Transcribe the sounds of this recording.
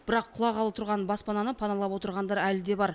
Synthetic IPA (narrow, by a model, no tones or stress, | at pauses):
b̥ɪɾɑqʰːʊlˠɑʁɑlˠəp̚t̪ʰʊɾʁɑnbɑspɑnɑnəpʰɑnɑlˠɑpwo̞t̪əɾʁɑnd̪ɑɾælɪd̪e̞bɑɾ